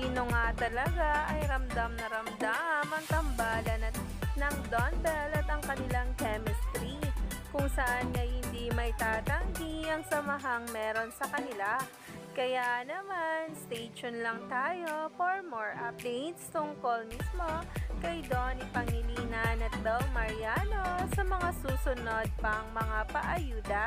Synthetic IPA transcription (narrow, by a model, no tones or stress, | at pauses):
pinoŋat̪ɐlɐɡaʔɐjɾɐmd̪amnɐɾɐmd̪amɐŋt̪ɐmbaːlɐnɐt̪̚ | nɐŋd̪onbɛlɐt̪ɐŋkɐnɪlaŋkɛmɛst̪ɾikʊŋsɐʔanŋɐhɪnd̪imɐjt̪aːt̪ɐŋɡiɐŋsɐmɐɦaŋmɛːɾo̞nsɐkɐnɪla | kɐjanɐmanst̪ɛjʃonlɐŋt̪aːjo̞foɹmoɹʔɐp̚d̪ejt̪st̪ʊŋkolmismo̞kɐjd̪onɪpɐŋɪliːnɐnɐt̪̚bɛlmɐɹijaːno̞sɐmɐŋasuːsʊno̞d̪̚pɐŋmɐŋapɐʔɐjuːd̪ɐ